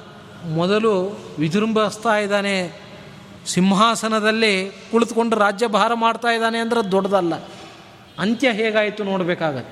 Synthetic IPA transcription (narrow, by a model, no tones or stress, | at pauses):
mɔd̪ɐluʋid̪ʱɾumbʱɐst̪aːjid̪aːne | simɦaːsɐnɐd̪ɐlːipuɭt̪uko̞ɳɖuɾaːd͡ʒjɐbʱaːɾɐmaːɖt̪aːjd̪aːneɐnd̪ɐɾed̪ɔɽɐd̪ɐlːɐ | ɐnt̪jɐɦɛːɡaːjit̪ːunoːɽbɛːkaːɡɐt̪ːe